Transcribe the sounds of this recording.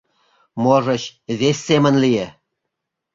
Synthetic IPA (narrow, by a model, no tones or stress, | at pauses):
moʒə̆ɕβesʲːemə̆nlije